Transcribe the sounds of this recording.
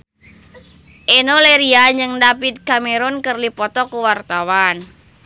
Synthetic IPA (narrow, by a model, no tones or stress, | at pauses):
ʔenoleɾiaɲd͡ʒɨŋdapit̪̚kameɾʊnkərlipɔt̪ɔkuwart̪awan